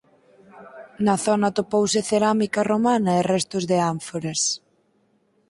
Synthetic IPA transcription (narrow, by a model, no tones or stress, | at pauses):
nɐθɔnɐt̪opowsɪθeɾamikaromanɐerɛst̪ʊzðɪaɱfoɾes